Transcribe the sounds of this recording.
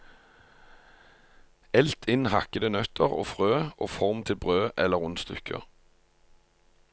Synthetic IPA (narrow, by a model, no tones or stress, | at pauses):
ɛlt̪ʰɪnhɑ̰kəd̪ənœt̪ʰəʁo̰ːfʁøːʔo̰ːfɔʁmt̪ʰɪlbʁøːʔɛləʁʊnst̪ʏ̰kʰə̰